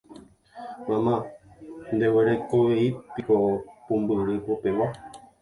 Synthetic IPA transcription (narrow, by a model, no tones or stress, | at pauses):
mãmã | nd̪eweɾekoweipikopũmbɨɾɨpopewa